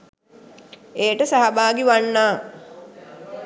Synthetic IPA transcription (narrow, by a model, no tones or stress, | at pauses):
eːʈəsaɦabaːɡiʋanːaː